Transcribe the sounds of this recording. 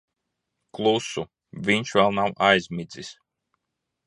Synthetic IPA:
klˠusu | vʲiɲʲʃvɛlˠnawʔajzʲmʲid̪zʲis

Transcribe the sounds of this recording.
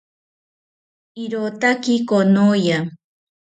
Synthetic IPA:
iɾot̪akikonoja

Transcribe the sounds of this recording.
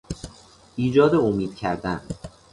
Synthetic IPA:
ʔiːd͡ʒɒːd̪eomiːd̪̥cʰæɾd̪æn

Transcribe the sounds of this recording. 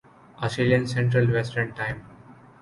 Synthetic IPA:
ʔɔsʈeːlijə̃nsɛ̃ɳʈɾəlʋɛsʈə̃ɳɖʈãɪ̃m

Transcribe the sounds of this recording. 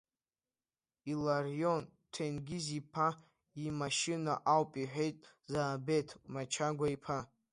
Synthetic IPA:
ilarjontʰenɡʲizipʰa | imaʃinaʔawpʼiħʷᶣe̞jtʼ | zaːbe̞tʰmat͡ʃʰaɡʷaipʰa

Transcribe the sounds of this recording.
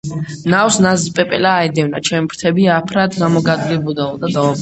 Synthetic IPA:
nawsnazpʼɛpʼɛ̰laːɛd̪ɛvna̰t͡ʃʰɛmbɾt̪ʰɛbiapʰɾat̪ʰɡamɔɡad̪ɡibud̪aɔd̪ad̪ɔ

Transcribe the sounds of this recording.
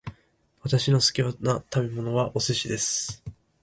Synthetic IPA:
βat̪aɕino̞sɨ̥kʲionat̪abe̞mo̞no̞βaʔoseɕid̪e̞sɨ̥

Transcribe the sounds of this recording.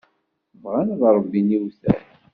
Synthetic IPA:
vʁanðɾˤəbːiniwθæ̰ɾ

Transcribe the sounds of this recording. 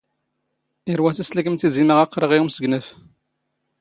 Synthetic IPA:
iɾwæθislækəmt̪iziməʁɑqːɾəʁiumsəɡnəf

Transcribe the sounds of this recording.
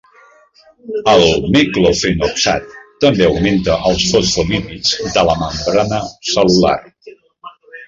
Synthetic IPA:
əlˠmiklofinoksa̰t̪ːəmbeəwment̪əʔəlˠsfosfolimid͡zd̪ələməmbɾanəsəlula̰r

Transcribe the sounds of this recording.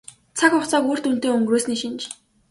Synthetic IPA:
t͡sʰakʊχt͡saːkuːr̥t̪un̥t̪eːɵŋɡɾoːsniʃint͡ɕ

